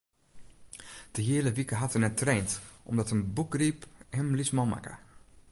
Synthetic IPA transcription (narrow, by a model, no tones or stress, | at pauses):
d̥əɦiələʋikəɦatənətreːntʔɔmdɔtənbukriphəmlismɔlˠma̰kə̰